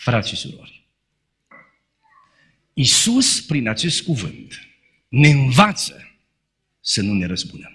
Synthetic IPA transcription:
fɾat̪sʃisṵɾo̞̰rʲ | isuspɾinat͡ʃe̞st̪̚kuvɨnt̪ | ne̞ɨnvat̪sə̰ | sənune̞ɾəspund̪əm

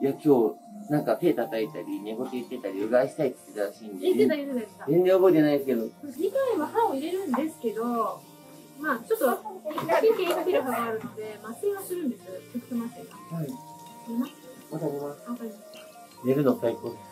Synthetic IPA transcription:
jakʲo̞ːnãŋkat̪e̞ːt̪at̪ait̪aɾʲineɡo̞t̪eit̪ːe̞t̪aɾʲiɯɡaiɕi̥t̪ait̪ːit̪ad̪aɕiːnd̪eeed̪aet̪ed̪aeskazẽ̞nzẽobo̞it̪enaid̪esɨ̥ke̞d̪o̞ɲik̪ãĩβahãɰ̃oiɾe̞ɾɯ̟̃nd̪e̞sɨ̥ke̞d̪o̞ | maːt͡ɕo̞t̪ːoβaaekʲekakeɾɯbaɡaːɾɯ̟no̞d̪e̞masʲiβasɨɾɯ̟̃nd̪e̞sɨtokt̪emasekahai | imasmat̪aomaβakaɾʲimaska | ɾeɾɯ̟nosaiko

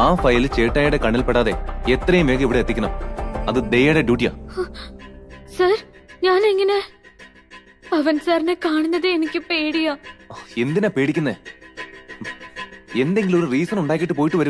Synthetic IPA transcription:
aːfɐjlt͡ɕe̞ːʈːaːjiɽekɐɳːilpeɽaːðe̞̰et̪rɐjumeːkiʋiɽeːt̪ːikʲːɐɳɐmɐðɨd̪ejɐːɽeɖjuːʈːija̰ː | sɐɾɲaːneŋːɐne̞ | pɐʋɐnsaːɾinekaːɳunːɐðɨenikʲːɨpeːɽijaːe̞nd̪inaːpe̞ːɽikʲːunːe | e̞nd̪e̞ŋɡilo̞ɾuriːsɐnuɳɖaːk̬ʲːiʈːɨp̬o̞ːjiʈːɨʋɐɾum

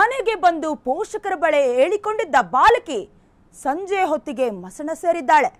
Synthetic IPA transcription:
mɐneɡe̞bɐnd̪upɔːʂɐkɐɾɐbɐɭeeːɭiko̞ɳɖid̪ːɐbaːlɐki | sɐɲd͡ʒejɦot̪ːiɡe̞mɐsɐɳɐse̞ːɾid̪ːaːɭe

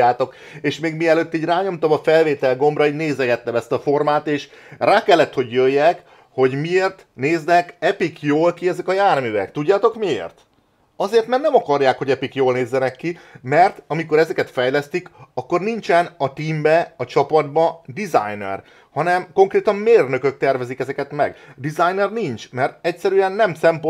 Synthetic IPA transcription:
aːt̪o̞k | eːʃmeːɡmiɛløt̪ːiːɟraːɲo̞mt̪ɒmɒfɛlveːt̪ɛlɡo̞mbrɒiɟneːzɛɡɛt̪ːɛmɛst̪ɒfo̞rmaːt̪eːʃ | raːkɛlːɛt̪ho̞ɟjøjːɛk | ho̞ɟmieːrt̪ | neːznɛkɛpikjoːlkiɛzɛkɒjaːrmyvɛ̰kt̪uɟːaːt̪o̞kmiḛːrt̪ | ɒzeːrt̪mɛrt̪nɛmɒkɒrjaːkho̞ɟɛpikjoːlneːzːɛnɛkːimɛrt̪ɒmiko̞ɾɛzɛkɛt̪fɛjlɛst̪ikɒkːo̞rnint͡ʃɛnɒt̪iːmbɛɒt͡ʃɒpɒd̪bɒd̪iza̰jnɛ̰r | hɒnɛmko̞ŋkreːt̪ɒmmeːrnø̞kø̞k̚t̪ɛrvɛzikɛzɛkɛt̪mɛ̰ɡd̪izajnɛrnint͡ʃmɛrt̪ɛcsɛɾyɛnːɛmsɛmp

